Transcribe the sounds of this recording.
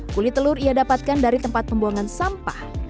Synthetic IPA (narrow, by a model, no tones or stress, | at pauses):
kulit̪əlʊɾiadapat̪̚kandaɾit̪əmpat̪̚pəmbuaŋansampah